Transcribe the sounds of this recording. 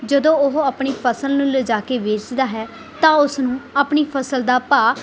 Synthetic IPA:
d͡ʒəd̪õːʊɦəpɳiːpʰəsəlnũːləd͡ʒaːkeːʋeːt͡ʃd̪aːɦɛː | t̪ãːʊsnũːəpɳiːpʰəsəld̪aːpaː

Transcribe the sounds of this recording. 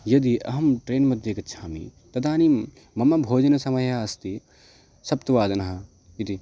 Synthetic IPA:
jɐd̪iʔɐɦɐmʈɾeːnmɐd̪ʱjekɐt̪ːt͡ʃʰaːmḭt̪ɐd̪aːni | mɐmɐbʱoːd͡ʒɐnɐsɐmɐjast̪i | sɐp̚t̪ɐʋaːd̪ɐnɐɦɐ | id̪i

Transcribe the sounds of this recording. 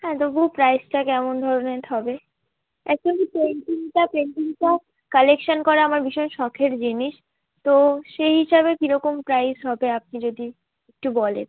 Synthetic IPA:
ɦɛ̃t̪oboɦupɾajsʈakɛmond̪ʱɔɾonet̪ʰɔbe | ɛk̚d͡ʑonkipeɳʈiniʈapɾeɳʈiniʈa | kalekʃankɔɾeamaɾbiʃɔenʃɔkʰeɾd͡ʑiniʃ | t̪oʃeɦiʃabekiɾɔkompɾajzɦɔbeap̚nid͡ʑod̪i | ek̚ʈubɔlḛn

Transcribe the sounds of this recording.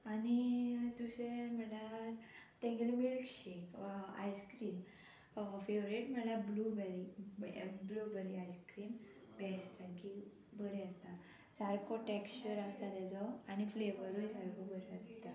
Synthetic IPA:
añit̪useməlat̪ɛ̃ɡelmilkɕekʋaa̰jskɾiːn | feʋɾeʈm̤əlablubɛɾi | blubəɾiajskɾiːn | bɛst̪akʰi | bʱəɾeast̪a | saɾkɔʈɛkst͡ɕəɾast̪ad̪ɛd͡zɔañifleʋəɾujsaɾkɔbʱəɾeast̪a

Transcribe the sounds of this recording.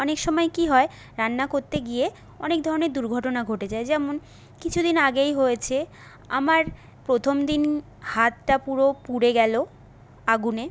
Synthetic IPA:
ɔnekʃɔmɔekiɦɔe | ɾanːakoɾt̪eɡie | ɔnekd̪ʱɔɾoneɾd̪uɾɡʱɔʈonaɡʱoʈed͡ʑaed͡ʑɛmon | kit͡ɕʰud̪inaɡejɦojet͡ɕʰe | a̰maɾ | pɾot̪ʰomd̪in | hat̪ʈapuɾopuɽeɡɛlo | aɡune

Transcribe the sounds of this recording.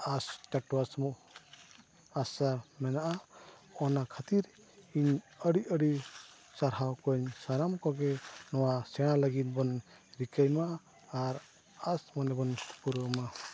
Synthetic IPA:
ast͡ʃaʈɔwasmɔʔ | asamɛnaʔaɔnakʰat̪iɾ | iɲəɽiəɽi | saɾɦawkɔɲsaɾamkɔɡɛnɔwasɛɽ̃alaɡit̪̚bɔnɾikajmaː | ɾ | asmɔnɛbɔnpuɾɔwma

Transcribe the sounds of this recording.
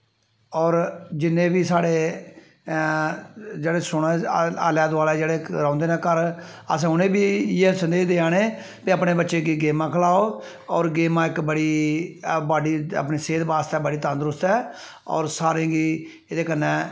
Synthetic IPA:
ɔːɾd͡ʒɪnːẽːbiːsaːɽeː | d͡ʒeːɽeːsʊɽãa̰ːljaːd̪ʋaːlɛːd͡ʒeːɽeːɾãːnd̪eːnẽːkəɾ | əs̬ãːʊnẽːbiːesənd̪eːd̪eːãːneː | piəpneːbətːʃeːɡiːɡeːmãːkʰəlaːoː | ɔːɾɡeːmãːɪkbəɽiː | baːɖiːə̰pɳiːseːd̪baːst̪ɛːbəɽiːt̪ãnd̪ɾʊst̪ɛː | ɔ̰ːɾsaːɾẽːɡiː | ed̪eːkənːɛ̃ː

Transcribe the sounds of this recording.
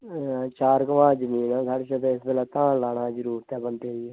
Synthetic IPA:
t͡ʃaːɾkəʋãːd͡ʒəmiːnãːsaːɽeːʃət̪eɪsbeːlaːt̪ãːlaːɳaːd͡ʒəɾuːɾt̪ɛːbənt̪eiɛː

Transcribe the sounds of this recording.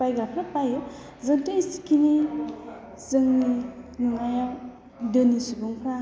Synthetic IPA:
pajɡɾapʰɾapajɯ | zɯŋtisi̥kini | zɯŋninuŋajaw | dɯnisubuŋpʰɾa

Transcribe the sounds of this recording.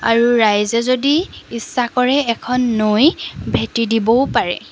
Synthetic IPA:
a̰ɹuɹajzɛzodiisːakɔɹɛːkʰɔnːojbʱetidibɔpaɹɛ̰

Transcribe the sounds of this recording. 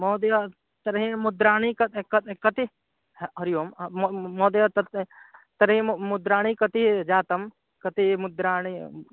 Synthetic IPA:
moːd̪jɐ | t̪ɐɾɦĩmud̪ɾaːnikɐkɐkɐt̪i | ɦɐɾjoːmmmoːd̪ɐt̪ɐt̪t̪ɐɾɦĩmud̪ɾaːɳ̃ikɐt̪id͡ʒaːt̪ɐm | kɐt̪imud̪ɾaːni

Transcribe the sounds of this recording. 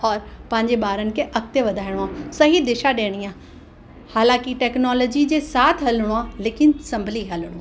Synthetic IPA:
ɔːɾpɐ̃ɦɪ̃ɲd͡ʑeɓaːɾənɪ̆kʰeʔɐk̚t̪eʋɐd̪ʱaːɪɽ̃oaːsɐɦid̪ɪʃaɗeːɽ̃iaː | haːlãːkiʈɛːknɔːlɔːd͡ʑid͡ʑeːsaːt̪ʰɦɐləɽ̃oaːleːkɪnsɐ̃mbʱliɦɐləɽ̃oaː

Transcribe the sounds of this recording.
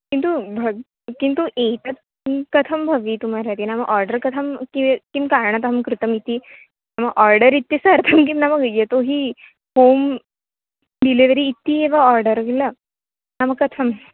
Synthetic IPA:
kint̪ubʱəɡ | kint̪uʔet̪ət͡s | kət̪ʰəmbʱəʋiːt̪um̤aɾat̪inaməɡʔɔɾɖəɾkət̪ʰəmkiʋekimkaɾɳ̃ət̪ɦəmkɾut̪əmit̪ːiː | naməɡʔɔɾɖəɾit̪ːisəɾt̪ʰəmk̬imnaməɡjet̪oɦiː | hom | d̪ileʋəɾiːt̪ːiːeʋaɔɾɖəɾɡila | naməɡkːət̪ʰəm

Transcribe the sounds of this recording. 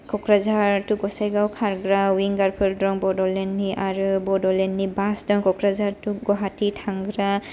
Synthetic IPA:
kʰɔkɹazaɹtuɡɔsajɡawkʰaɹɡɹawiŋɡaɹpʰɯldɹɔŋbɔdɔlɛnːiʔaɹɯbɔdɔlenːibasdɔŋkɔkɾazaɹtuɡɔɦatitʰaŋɡɹa

